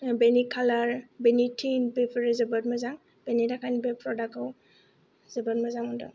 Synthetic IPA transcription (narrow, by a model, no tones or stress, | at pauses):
benikʰalaɹbenitʰinbepʰɔɹɛzɛbatmazaŋ | b̥enidakʰanbepʰɹɔdakaw | z̥ɛbatmazamɔndɔ̰